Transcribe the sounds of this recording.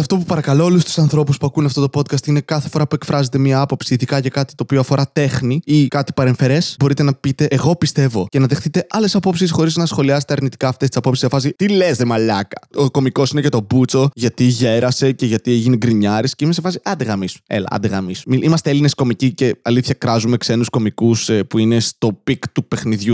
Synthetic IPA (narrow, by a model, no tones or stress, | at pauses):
ɐft̪o̞pupɐɾɐkɐlo̞o̞lust̪u̥sɐnθɾo̞puspuɐkunɐft̪ot̪opo̞t̪kɐst̪ine̞kɐθefo̞ɾɐpue̞kfɾɐze̞t̪e̞miɐɐpo̞psiːðikɐʝɐkɐt̪i̥t̪o̞ːpioɐfo̞ɾʔɐt̪e̞xniikɐt̪i̥pɐɾe̞ɱfe̞ɾe̞sbo̞ɾit̪e̞nɐpit̪e̞ʔːɣo̞pist̪e̞vo̞ce̞nɐðe̞xθit̪e̞ʔɐle̞sɐpo̞psisxo̞ɾiznɐsxo̞liɐset̪eɐɾnit̪i̥kɐːft̪est̪i̥sɐpo̞psiszɐfɐs̬it̪ilezðemɐlɐkɐ̥oko̞miko̞sinecet̪o̞but͡so̞ʝɐt̪iʝe̞ɾɐse̞ce̞ʝɐt̪ieʝiniɡɾiɲɐɾisceimesefɐsiɐnd̪eɣɐmisḛlɐ̰ɐ̰nd̪eɣɐmisumiʔimɐst̪eeline̞sko̞micice̞ɐliθçɐkɾɐzume̞kse̞nusko̞mikusepuine̞st̪o̞pikt̪upe̞xniðʝu